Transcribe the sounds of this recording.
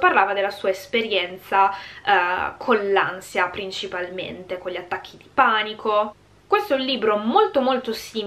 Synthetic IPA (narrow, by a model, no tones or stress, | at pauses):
parlaːvad̪elːasuːaespeɾjɛnt̪sa | kʰonlansjapɾint͡ʃipalmḛnt̪ekonʎːiat̪ːakʰːid̪ipanikʰo | kwest̪oɛũnliːbɾomolt̪omolt̪osiː